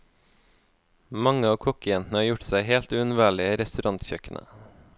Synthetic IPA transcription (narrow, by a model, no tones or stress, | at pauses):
mɑŋəɑːkʰɔkəjɛnt̪n̩əɑːɾjʊʈsæɪheːlt̪ʉːʉnʋæːɭɪəɾɛst̪ʉɾʔɑnt̪çœkənʔə̰